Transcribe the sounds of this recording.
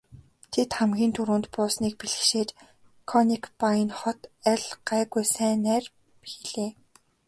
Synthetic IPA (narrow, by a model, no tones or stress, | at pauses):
t̪ʰet̪χæmɡʲiːnt̪ʰuɾuːnt̪pʊːsniːk̚piɮɘ̆xʃeːt͡ɕ | kʰɔnikpajnχɔt̪æɮɢ̥æːɣujsæːnæːr | xiɮeː